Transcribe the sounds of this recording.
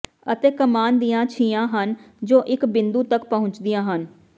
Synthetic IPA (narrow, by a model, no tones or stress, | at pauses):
ət̪eːkəmaːnd̪ijãːt͡ʃʰiːãːɦən | d͡ʒoːʔɪkbɪnd̪uːt̪əkpəɦʊ̃ɲt͡ʃd̪ijãːɦən